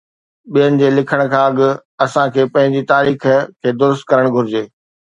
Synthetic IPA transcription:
ɓijənɪ̆d͡ʑeːlɪkʰəɽ̃kʰãːɐɠʊ̆ɐsãkʰeːpɐ̃ɦɪ̃ɲd͡ʑit̪aːɾiːxkʰːeːd̪ʊɾʊst̪̚kɐɾəɽ̃ɡʱʊɾɪd͡ʑeː

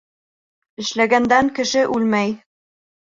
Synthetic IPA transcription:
ɘ̆ʃlæɡænd̪æŋkɘ̆ʃɘʔʉlmæj

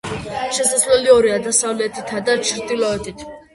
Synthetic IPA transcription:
ʃɛsaslɛliɔɾiad̪asavlɛt̪ʰit̪ʰad̪at͡ʃʰiɾt̪ʼilɔɛt̪ʰit̪ʰ

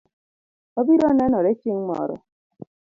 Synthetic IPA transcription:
ɔbiɾɔnɛnɔɾet͡ʃeŋmɔ̰ɾɔ̰

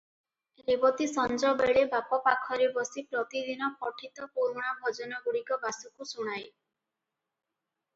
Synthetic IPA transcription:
ebɔt̪isɔnd͡ʒɔbeɽebapɔpakʰɔɾebɔsipɾɔt̪id̪ʱinɔpɔʈʰit̪ɔpuɾuɽ̃abʱɔd͡ʒɔnɔɡuɽikɔbasukusuɽ̃aj

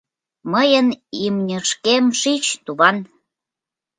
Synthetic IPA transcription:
məjənimnʲəʃkemʃit͡ɕt̪uβɑn

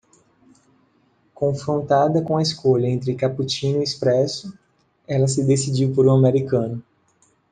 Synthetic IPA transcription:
kõfɾõnt̪ad̪ɐkõɐeskoʎɐẽnt̪ɾɪkaput͡ʃĩnʊiispɾɛsʊ | ɛlɐsɪd̪esid͡ʒiwpoɾũameɾikɐ̃nʊ

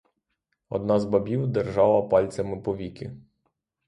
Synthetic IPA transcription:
ɔ̰d̪nɑzbɐbʲiwd̪erʒɑlˠɐpɑlʲt͡sʲɐmɪpɔʋʲikʲɪ̰

